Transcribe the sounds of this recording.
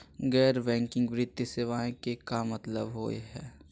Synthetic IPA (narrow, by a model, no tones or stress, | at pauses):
ɡɛːɾbɛ̃ːŋkɪ̃ŋɡʋɾɪd̪jəseːʋaːẽkekamɐt̪ləbɦo̰ːḛɦɛː